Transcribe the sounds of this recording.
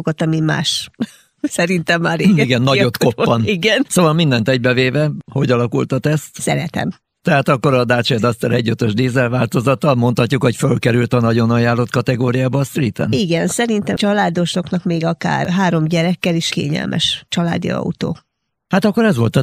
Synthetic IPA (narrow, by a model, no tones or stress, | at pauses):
ɡot̪ɒmima̰ːʃ | sɛɾint̪ɛmːaːɾeiɡɛnːɒɟo̞t̪kopːɒniɡɛnsoːvɒlmind̪ɛnt̪ɛɟ̚bɛveːvɛho̞ɟɒlɒkult̪ɒt̪ɛst̪sɛ̰ɾɛt̪ɛ̰m | t̪ɛɦaːt̪ɒkːo̞ɾɒd̪aːt͡ʃɛd̪ɒst̪ɛɾɛɟːøt̪øʒd̪eːzɛlvaːlt̪o̞zɒt̪ɒmo̞nt̪hɒcːukho̞cfølkɛɾylt̪ɒnɒɟo̞nɒjaːlːot̪kɒt̪ɛɡoːɾijaːbɒːst̪riːt̪ɛ̰niɡɛnsɛɾint̪ɛt͡ʃɒlaːd̪o̞ʃo̞knɒkmeːɡɒka̰ːrɦaːɾo̞mɟɛɾɛkːɛliʃkḛːɲɛ̰lmʔɛ̰ʃt͡ʃɒla̰ːd̪ḭɒ̰ut̪o̰ː | hat̪ɒkːo̞ɾɛzʋo̞lt̪ɒ